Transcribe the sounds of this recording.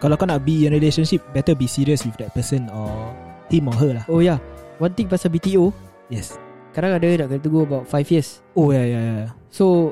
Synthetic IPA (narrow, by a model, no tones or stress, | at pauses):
kalakɔnat̚biə̃nɹileʃə̃nʃip̚bɛtəbisiɹiəswifdɛt̚pəsə̃nɔt̪ĩmɔɦəlahojawãnt̪ĩŋpasabit̪io | jɛs | kaɾãŋadədaʔkənt̪uɡoəbaʊt̚fajfjəs | ojajajaaso